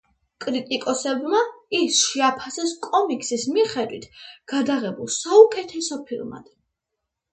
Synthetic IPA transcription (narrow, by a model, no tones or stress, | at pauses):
kʼɾit̪ʼikʼɔsɛbmaisʃiapʰasɛskʼɔmikʼsismiχɛd̪wit̪ʰɡ̥ad̪aʁɛbulˠsaukʼɛt̪ʰɛsɔpʰilˠma̰d̪̥